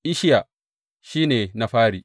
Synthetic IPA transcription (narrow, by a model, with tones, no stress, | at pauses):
ʔɪ˦ʃɪ˦ja˨ | ʃiː˦neː˨na˦ɸaː˦ɽiː˨